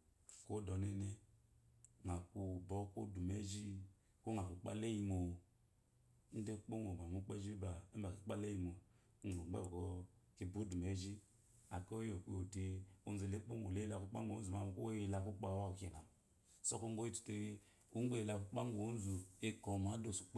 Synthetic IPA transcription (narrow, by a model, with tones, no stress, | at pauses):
ko˦dɔ˨ne˦ne˦ | ŋa˨ku˦bɔ˦ko˦du˨me˦ʒi˦ | ko˦ŋa˨ku˨k͡pa̰˦le˦ji˦mo˨˦ | n̩˦de˦k͡po˦ŋo˨ba˨u˦k͡pe˦ʒi˦ba˨˦ba˨ki˨k͡pa˦le˦ji˨mo˨˦ | ŋo˨˦ɡ͡bḛ˦˨ko˦ki˨bu˦du˨me˨˦ʒi˦ | a˨ko˦jo˨k͡pi˦o˨de˨o˦n˦zu˨le˦k͡po˦ŋo˨le˦i˦la˨ku˦k͡pa˦ŋ̩˦˨˦u˨ma˨m˨˦ko˦i˨la˨ku˦k͡pa˦˨wa˦˨ke˨na˨m | sɔ˦ko˦ŋ˦ɡo˦i˦tu̥˨te˦e˦ | u˦ŋ˦e˦ji˨la˨ku˦k͡pa˦ŋ˦ɡo˨o˦n˦zu˨e˦ko˨ma˨˦do˦˨su̥˨k͡p